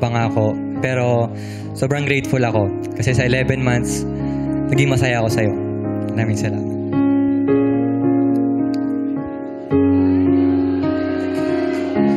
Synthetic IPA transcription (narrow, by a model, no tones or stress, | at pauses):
bɐŋako̞ | pɛːɾo̞ | soːbɹɐŋɡɾejt̪fʊlɐko̞ | kɐsɛsɐʔɪlɛvɛnmant̪s | nɐɡɪŋmɐsajaɐko̞sɐjo̞naːmɪŋsɐla̰ːmɐt̪̚